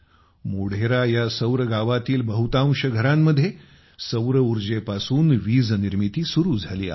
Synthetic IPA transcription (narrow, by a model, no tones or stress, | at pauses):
moɽ̤eɾajasəwɾəɡaʋat̪iːlbəɦut̪ãw̃ɕəɡʱəɾamːəd̪ʱje | səwɾəuɾd͡ʑepasuːnʋiːd͡zniɾmit̪iːsuɾuːd͡zʱaliːa̰